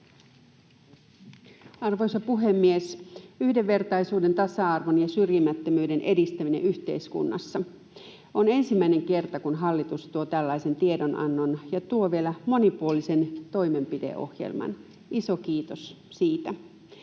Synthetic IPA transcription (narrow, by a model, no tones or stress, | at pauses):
ɑrʋo̞jsɑpuɦemːiesyhdeʋːe̞rt̪ɑjsuːde̞nt̪ɑsɑɑrʋonjɑsyrjimæt̪ːømyːde̞nʔe̞dist̪æminḛʔyçt̪ḛiskṵnːɑ̰sːɑ | one̞nsimːæine̞ŋke̞rt̪ɑkunɦɑlːit̪ust̪uot̪ælːɑjse̞nt̪iedonʔɑ̰nːonjɑt̪uoʋielæmo̞nipuolise̞nt̪o̞jme̞mpidḛʔo̞̰hjḛlmɑ̰n | iso̞kiːt̪os | siːt̪æ